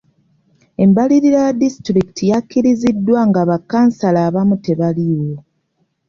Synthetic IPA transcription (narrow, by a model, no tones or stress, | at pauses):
e̞mbaliɾiɾajdistɾikitʰijakːiɾizidːwaŋɡaβakːaːnsalaːβamute̞βaliwo̞